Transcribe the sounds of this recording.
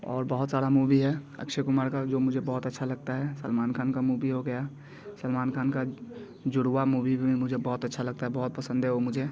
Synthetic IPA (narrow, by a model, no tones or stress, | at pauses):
ɔ̰ːɾbəɦʊt̪saːɽamubiɦɛə̰kʃekʊmaːɾkad͡ʒoːmʊd͡ʒʱebɔɦʊt̪ətːʃʰalɐɡ̚t̪aɦɛsəlmaːnkʰaːnkamuːbiɦoɡəja | səlmaːnkʰaːnka | d͡ʒʊɽwamubibʱiimʊd͡ʒʱebɔɦʊt̪ətːʃʰalɐɡ̚t̪aɦɛbɔɦʊt̪̚pəsə̃nd̪ʱɦɛomʊd͡ʒʱe